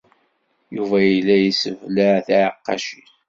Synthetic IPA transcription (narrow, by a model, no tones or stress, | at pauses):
juvæjəlːæjisəvləʕθʕəqːɑ̰ʃiθ